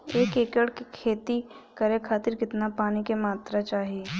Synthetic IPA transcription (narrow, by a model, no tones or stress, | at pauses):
eːkeːkəɽkikʰeːt̪ikɐɾẽkʰaːt̪ɪɾkɪt̪napaːnikemaːt̪ɾat͡ʃaːɦieː